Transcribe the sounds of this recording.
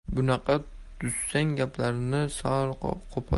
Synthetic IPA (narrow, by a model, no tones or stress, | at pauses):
bʊnɑqʰɑ | d̪ʰʊsːaŋɡʲapʰlaɾɪnɪsɒɾqqʰopʰɒ̰